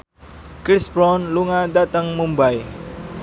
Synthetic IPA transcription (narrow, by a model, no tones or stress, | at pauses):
kɾisbɾɔnluŋadat̪əŋmumbaj